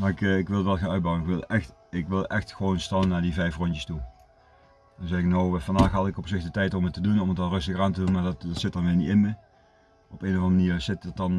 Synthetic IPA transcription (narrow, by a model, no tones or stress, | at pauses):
maɪkɪkʋɪlˠʋɛlˠxeːnœɥd̚bɑwɪnɪkʋɪlˠɛxtɪkʋɪlˠʔɛxtxəʋownstɑlˠənaːɹdivɛjfrɔntjəstu | dɔnzɛɪknowfɑndaːxɦɑtɪkɔpsɪxdətɛjtɔmətədunɔmətɑnrɵstəɣaːntədunmaːɹdtdɑtsɪt̚dɑnʋɪlnitɪnmə | ɔpeːnovɑ̃ndəməniːrsɪtət̚ɑn